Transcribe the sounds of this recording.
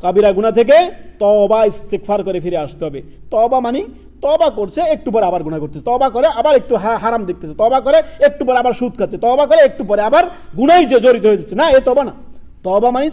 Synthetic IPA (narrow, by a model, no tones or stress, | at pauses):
kabiɾaɡunat̪ʰek̬et̪ɔbaist̪ekfʰaɾkɔɾepʰiɾeaʃt̪eɦɔbet̪ɔbamani | t̪ɔbakoɾt͡ʃʰeek̚ʈupɔɾeabaɾɡuɽ̃ajkoɾt̪ʰet͡ʃʰe̥t̪ɔbakɔɾeabaɾek̚ʈuɦaɦaɾamd̪ek̚t̪et͡ɕʰet̪ɔbak̬ɔɾeek̚ʈupɔɾeabaɾʃud̪̚kʰat͡ʃʰet̪ɔbakɔɾeek̚ʈup̬ɔɾeabaɾ | ɡuɽajd͡ʒed͡ʒoɾit̪oɦojed̪iːt͡ʃʰenaet̪ɔbana | t̪ɔbamani